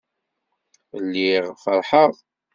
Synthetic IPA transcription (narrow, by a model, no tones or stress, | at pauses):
lːiʁfəɾˤħəʁ